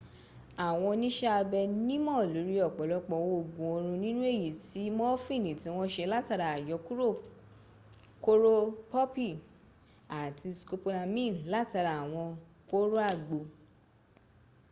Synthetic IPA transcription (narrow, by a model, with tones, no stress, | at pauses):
a˨w̃ɔ̃˧nĩ˦ʃɛ˦a˧bɛ˧nĩ˦mɔ̃˦˨lo˨˦ɾi˦ɔ˦˨k͡pɔ˨˦lɔ˧k͡pɔ˧wo˦˨ɡũ˨o˧ɾ̃ũ˧nĩ˦nũ˦e˦˨ji˨ti˨˦mɔ̃˦fĩ˦˨nĩ˨tĩ˨˦w̃ɔ̃˦ʃɛ˧la˦ta˧ɾa˨a˨jɔ˨˧˦ku˦ɾo˦˨ | ko˦ɾo˦pɔ˦pi˦˨ | a˨tʰi˧sko˧po˧nã˧mĩ˦˨la˦ta˧ɾa˨w̃ɔ̃˧ | ko˦ɾo˦a˦˨ɡ͡bo˨